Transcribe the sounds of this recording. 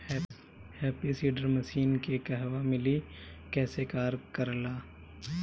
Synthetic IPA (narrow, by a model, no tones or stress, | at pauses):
hɛːpisiːɖəɾməʃiːnkekɛɦʋamɪlikɛːsekaːɾkəɾlaː